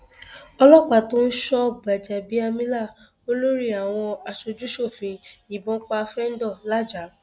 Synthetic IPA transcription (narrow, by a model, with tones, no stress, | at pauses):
ɔ˧lɔ˦k͡pa˨tõ˦n̩˦ʃɔ˦ba˨d͡ʒɛ˨bi˦a˧mĩ˦la˦˨ | o˦lo˦ɾi˦a˨w̃ɔ̃˧a˧ʃo˧d͡ʒu˦ʃo˦˨fĩ˧i˨bɔ̃˨˦k͡pa˧fɛ˦n̩˦dɔ˦˨la˦d͡ʒa˨˦